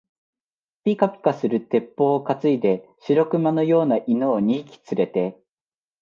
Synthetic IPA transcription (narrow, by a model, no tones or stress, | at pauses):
pʲikapʲi̥kasɨɾɯ̟t̪e̞pːo̞ːkat͡sɨid̪e̞ɕiɾo̞kɯ̟mano̞jo̞ːnaʔino̞ːɲ̟iːkʲi̥t͡sɨɾe̞t̪e̞